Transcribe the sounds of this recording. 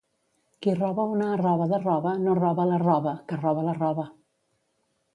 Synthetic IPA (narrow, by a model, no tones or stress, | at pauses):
kirɔβəunərɔβəðərɔβənorɔβələrɔβəkərɔβələrɔβə